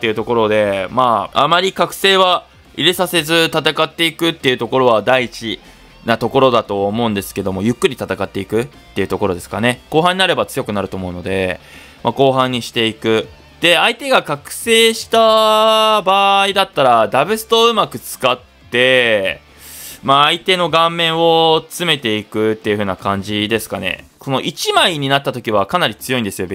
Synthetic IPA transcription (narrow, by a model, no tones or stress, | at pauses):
t̪ːe̞iɯ̟t̪o̞ko̞ɾo̞d̪e̞maamaɾʲikakɯ̟̥se̞ːβa | iɾesase̞zɨt̪at̪akat̪ːe̞ikɯ̟t̪ːe̞iɯ̟t̪o̞ko̞ɾo̞βad̪aiit͡ɕi | nat̪o̞ko̞ɾo̞d̪at̪o̞ːmo̞ɯ̃nd̪e̞sɨ̥ke̞d̪o̞mo̞jɯ̟kːɯ̟ɾʲit̪at̪akat̪ːe̞ikɯ̟t̪ːe̞iɯ̟t̪o̞ko̞ɾo̞d̪e̞sɨ̥kane̞ko̞ːɦãɲ̟inaɾe̞bat͡sɨjo̞kɯ̟naɾɯ̟t̪o̞ːmo̞ɯ̟no̞d̪e̞ | mako̞ːɦãɲ̟ːiɕi̥t̪e̞ikɯ̟ | d̪̥e̞ait̪e̞ɡakakɯ̟̥se̞ːɕi̥t̪a | baːid̪at̪ːaɾad̪abɯ̟sɨ̥t̪o̞ɯ̟makɯ̟t͡sɨ̥kat̪ːe̞ | maːit̪e̞no̞ɡãmːẽ̞ɰ̃o̞t͡sɨme̞t̪e̞ikɯ̟t̪ːe̞jɯ̟ɸɯ̟ːnakãɲ̟d͡ʑid̪e̞sɨ̥kane̞̰ko̞no̞ʔit͡ɕimaiɲ̟inat̪ːat̪o̞kʲiβ̞akanaɾʲit͡sɨjo̞ĩnd̪e̞sɨjo̞be